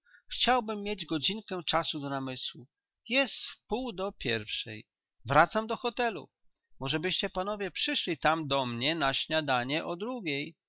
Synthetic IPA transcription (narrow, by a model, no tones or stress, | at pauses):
xt͡ɕawbɘmːjed͡ʑɡɔd͡ʑiŋkɛ̃t͡ʂasud̪ɔnamɘswu | jɛst̪fpuwd̪ɔpʲjɛɾfʂɛ̰j | vɾat̪samd̪ɔxɔt̪ɛlṵ | mɔʐɛbɘɕt͡ɕɛpanɔvʲjɛpʂɘʂlʲit̪amd̪ɔmɲɛnaɕɲad̪aɲɛʔɔd̪ɾuɡʲej